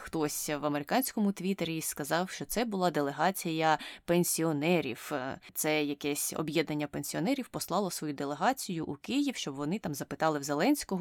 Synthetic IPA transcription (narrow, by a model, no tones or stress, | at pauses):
xt̪ɔsʲʋɐmeɾɪkɑnʲsʲkɔmʊt̪ʋʲit̪eɾʲiskɐzɑwʃt͡ʃɔt̪sɛbʊlˠɑd̪e̞lˠeɦɑt͡sʲijɐpenʲsʲiɔnɛɾʲḭwt̪sɛjɐkɛsʲɔ̰bjɛd̪nɐnʲːɐpenʲsʲiɔnɛɾʲiwpɔslˠɑlˠɔsʋɔjud̪elˠeɦɑt͡sʲijʊʔukɪjiwʃt͡ʃɔbʋɔnɪt̪ɑmzɐpɪt̪ɑlˠɪwzelˠɛnʲsʲkɔɦɔ